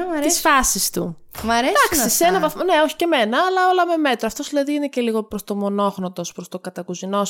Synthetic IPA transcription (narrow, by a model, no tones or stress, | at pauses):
ɐɾt̪isfɐsist̪u | mɐɾed̪ɐksisenɐvɐθmoneoçi̥ceme̞nɐːlɐo̞lɐmeme̞t̪ɾoɐft̪o̞zðilɐðiinece̞liɣo̞pɾost̪o̞mo̞no̞xnot̪o̞spɾost̪o̞kɐt̪ɐkuzino̞s